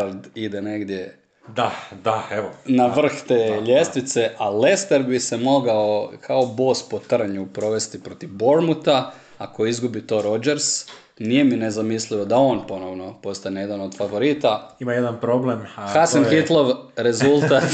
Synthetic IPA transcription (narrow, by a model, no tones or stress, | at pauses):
ld̪id̪ene̞ɡd̪je̞ | d̪ad̪aeʋonaʋr̩xt̪eːʎest̪ʋit̪se̞ʔale̞st̪eɾbise̞mo̞ɡaokʰao̞bo̞ːspo̞t̪r̩ɲupɾo̞ʋe̞st̪ipɾo̞t̪ivbo̞ɾmut̪a | ako̞izɡubit̪o̞ːɾo̞d͡ʒeɾs | nije̞minezamislio̞d̪ao̞ːnpo̞no̞ʋno̞po̞st̪anejed̪anod̪̥faʋo̞ɾit̪aimajed̪anpɾoblemxasanxit̪lˠo̞ʋɾe̞zulˠt̪at̪